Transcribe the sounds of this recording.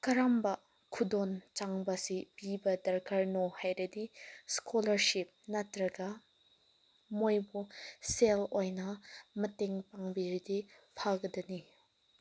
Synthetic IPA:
kɐɾambɐ | kʰudont͡ʃaŋbɐsipibɐdɐɾkʰɐɾnohajɾɐdiskʰolɐɾsip̚nɐtɾɐɡɐ | mojbuselojnɐmɐteŋpaŋbiɾidipʰaɡɐdɐni

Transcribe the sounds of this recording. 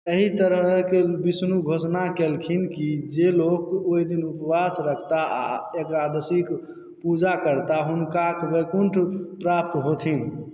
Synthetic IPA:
əɦit̪əɾəɦkebisnuɡʱosnakelkʰinkid͡ʒelokoid̪inupwasɾəkʰt̪aa̰ekɾad̪əsik | pud͡ʒakəɾt̪aɦunkakbəjkuɳʈʰpɾap̚t̪ɦot̪ʰin

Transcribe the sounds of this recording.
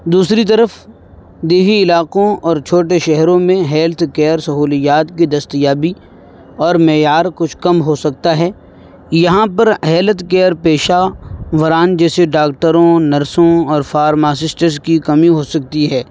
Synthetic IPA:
d̪uːsɾit̪ɐɾəf | d̪eːɦiɪlaːqõɔːɾt͡ʃʰoːʈ̬eʃɛɦɾõmẽɦɛːlt̪ʰkɛːɾsɐɦuːlijaːt̪kid̪ɐst̪ijaːbi | ɔːɾmɛːjaːɾkʊt͡ʃʰkɐmɦosɐk̚t̪aɦɛː | jɐɦãpɐɾɦɛːlət̪kɛːɾpeːʃaʋɐɾaːnd͡ʒɛːseɖaːk̚ʈəɾõnɐɾsõɔːɾfaːɾmaːsɪsʈəɾskikɐmiɦoːsɐk̚t̪iɦɛː

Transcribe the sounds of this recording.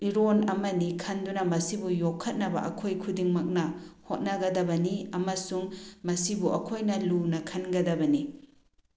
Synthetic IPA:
iɾonɐmɐnikʰɐndunɐmɐsibujokʰːɐt̚nɐbɐ̰ʔɐ̰kʰojkʰudiŋmɐk̚nɐhot̚nɐɡɐdɐbɐniɐmɐsuŋmɐsibuʔɐkʰojnɐlunɐkʰɐnɡɐdɐbɐni

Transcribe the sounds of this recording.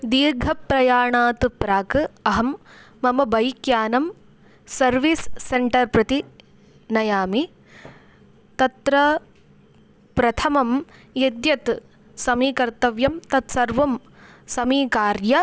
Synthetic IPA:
d̪iːɾɡʱɐpɾɐjaːɳaːt̪pɾaːkɨɐɦɐmː | ɐmɐbɐjkjaːnɐm | sɐɾʋiːsːeɳʈɐɾpɾɐt̪i | nɐjaːmi | t̪ɐt̪ɾɐ | pɾɐt̪ʰɐmɐmjed̪jɐt̪ | sɐmiːkɐɾt̪ɐʋjɐmt̪ɐt̪sɐɾʋɐm | sɐmiːkaːɾjɐ

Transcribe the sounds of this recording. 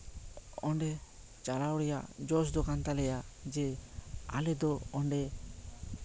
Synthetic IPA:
ɔɳɖɛ | t͡ʃalawɽɛjaʔd͡ʒɔsd̪ɔkant̪alɛjad͡ʒɛa̰lɛd̪ɔɔɳɖɛ

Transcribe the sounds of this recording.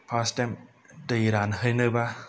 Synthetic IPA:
pʰastɛm | dəiɾanhɯjnɯba

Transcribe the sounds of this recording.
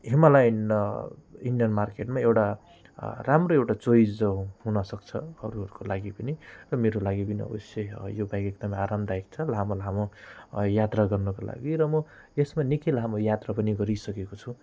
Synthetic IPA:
ɦemalajn | iɳɖijʌnmarkeʈmaewʈa | ramroewʈat͡sojd͡zʌɦunʌsʌkt͡sʰʌ̰ʌɾuɦʌɾukolaɡipʌnirʌmeɾolaɡipʌniʌ̰bʌsjejobajkek̚d̪ʌmʌaɾamd̪aek̚t͡sʰʌlɦamolɦamojat̪raɡʌrnʌkola̰ɡiɾʌmʌ | esmanikilɦamojat̪rapʌniɡʌɾisʌkekot͡sʰũ

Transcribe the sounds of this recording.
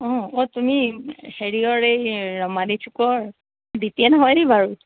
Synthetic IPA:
ɔ̃otumiheɹiɔɹejɹɔmaditʰukɔɹ | ditiɛnɔɦɔjdibaɹu

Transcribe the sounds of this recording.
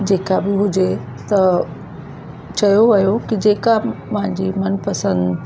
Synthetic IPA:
d͡ʑeːkabɪɦʊd͡ʑe | t̪ɐ | t͡ɕɐjoʋɐjokɪd͡ʑeːkapɐ̃ɦɪ̃ɲd͡ʑimɐnpɐsə̃nd̪

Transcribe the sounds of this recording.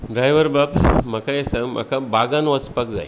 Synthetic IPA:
ɖɾajʋəɾbabmakajesamʔa̰kabaɡanʋɐt͡spɐkd͡za̰j

